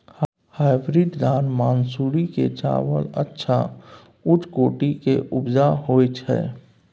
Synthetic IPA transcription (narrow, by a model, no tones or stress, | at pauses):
haːɪbɾid̪d̪aːnmaːnsuːɾiket͡ʃa̰ːwələtːʃʰa | ʊt͡ʃkoːʈikeʔʊbd͡ʒaɦoːt͡ʃʰɛ̰ː